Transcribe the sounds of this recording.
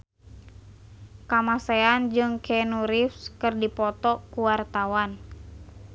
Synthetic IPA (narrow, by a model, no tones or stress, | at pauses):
kamasɛand͡ʒɨŋkʰɛnuɾifskɨrdipɔt̪ɔkuwart̪awan